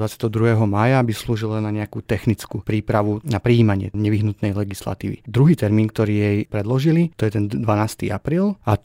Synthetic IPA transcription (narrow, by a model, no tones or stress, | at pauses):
ʋat͡sɪat̪ɛɦɔd̪ɾuɦɛːɦɔmaːjabisluːʒilnaɲɛakut̪ɛxnit͡skuːpɾiːpɾaʋunapɾiːmaɲɪɛ̰ɲɛʋiɦnut̪nɛjlɛɡisla̰t̪ḭːʋḭd̪ɾuɦiːt̪ɛɾmiːnk̚t̪ɔɾiːjɛjpɾɛd̪lɔʒilit̪ɔjɛt̪ɛnd̪ʋanaːst̪ḭːapɾiːla